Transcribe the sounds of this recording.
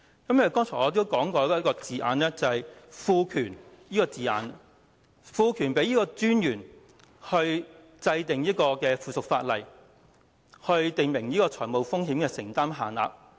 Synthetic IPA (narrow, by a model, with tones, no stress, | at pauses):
kɐ˨˥mɐ˨˩kɔː˥ŋt͡sʰɔː˨˩ɔ˨˧t̪̬o˥wkɔː˨˥ŋkɔː˧jɐ˥ɐ˥kɔː˧t͡siː˨ʔa̰ː˨˧nɛː˥t͡sɐ˨hɐ˨jfuː˧kʰyː˨˩njiː˥kɔː˧t͡siː˨a̰ː˨˧n | fuː˧kʰyː˨˩npe˨˥jiː˥kɔː˧t͡syː˥njyː˨˩n | hɵ˧ɥ | t͡sɐ˧jt̪ɪ˨ŋjiː˥kɔː˧kɛː˧fuː˨sʊ˨k̚faː˧t̚lɐ˨j | hɵ˧ɥt̪ɪ˨ŋmɪ˨˩ŋjiː˥kɔː˧t͡ʃʰɔː˨˩jmo˨wfʊ˥ŋɦiː˨˥mkɛː˧sɪ˨˩ŋt̪aː˥mɦaː˨˩nla̰ː˨p̚